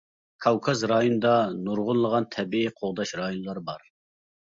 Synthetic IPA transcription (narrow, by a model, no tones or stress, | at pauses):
kʰɑwkʰɑzɾɑjonɨd̪ɑnuɾʁʊnlˠəʁɑnt̪ʰɛbiiqʰoʁd̪ɑʃɾɑjonɨlˠɑɾbɑɾ